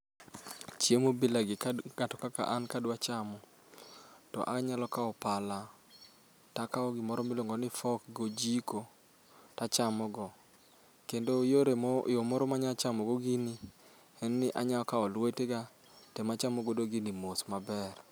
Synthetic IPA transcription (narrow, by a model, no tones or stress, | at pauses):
t͡ʃjemobilaɡɪkaɡ̥atɔkaka̰ʔankadwat͡ʃamɔ | tɔ̰ʔa̰kɲalɔkaɔpala | takaɔɡɪmɔɾɔmiloŋɡɔnɪfɔkɡod͡ʒiko | tat͡ʃamɔɡɔ | kendojoɾemomɔɾɔmaɲat͡ʃamɔɡoɡɪni | ɛnnɪʔaɲaɔkaɔlweteɡa | temat͡ʃamɔɡodoɡinimosmabɛr